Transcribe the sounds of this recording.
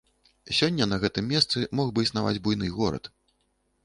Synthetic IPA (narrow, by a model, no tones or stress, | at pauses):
sʲɔnʲːɐnɐɣɛt̪ɨmʲːɛst̪sɨmɔɣbɨisnava̰d͡zʲbujn̪ɨɣɔɾɐ̰t̪